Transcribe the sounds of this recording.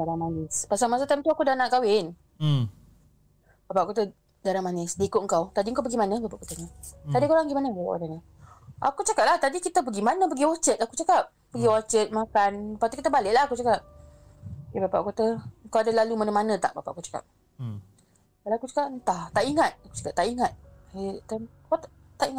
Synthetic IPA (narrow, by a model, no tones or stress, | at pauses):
daɾamanɪspasalmas̬at̪amt̪uakudanaʔkawɪn | b̥apaʔkot̪ə | daɾamanɪsdikʊʔŋ̩kawt̪adiŋkawpəɡimanə̃bapa̰ʔkot̪əɲat̪adikoɾaŋɡimanəala̰kad̪anə | ʔa̰kut͡ʃakap̚laht̪adikit̪əp̬əɡimanə̃pəɡiwat͡ʃət̪akut͡ʃakap̚ | pəɡiwat͡ʃət̪̚makanpat̪ukit̪əbalɪʔlahakut͡ʃakap̚ | jebapa̰ʔkot̪əŋkawadalalumanəmanə̃t̪aʔbapa̰ʔakut͡ʃḁka̰p̚ | kalawakut͡ʃḁkap̚nt̪aht̪aʔiŋat̪̚aku̥t͡ʃḁkap̚t̪aʔiŋat̪̚t̪ən | kat̪ | t̪aʔiŋat̪